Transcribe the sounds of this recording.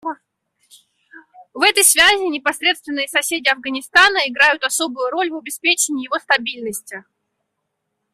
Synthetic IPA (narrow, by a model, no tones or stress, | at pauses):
vɛt̪əjsvʲæzʲɪnʲɪpɐsɾʲe̞t̪st̪vʲɪnːɨjəsɐsʲedʲɪɐvɡənʲɪst̪anəɪɡɾajʊt̪ɐso̞bʊjʊɾo̞lʲvɐbʲɪspʲet͡ɕɪnʲɪːjɪvo̞st̪ɐbʲilʲnəsʲtʲɪ